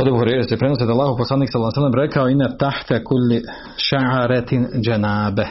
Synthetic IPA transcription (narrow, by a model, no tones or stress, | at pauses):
od̪ebuhoɾejɾasjepɾenos̬ed̪alːˠaːhouposlaːniːksalːsalːemɾekaoinːat̪aħt̪akulː | ʃaʕaɾat̪d͡ʒanaːba